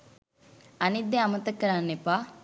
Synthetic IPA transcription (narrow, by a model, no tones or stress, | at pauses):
ɐnid̪ːeɐmɐt̪ɐkːɐɾaːnːepaː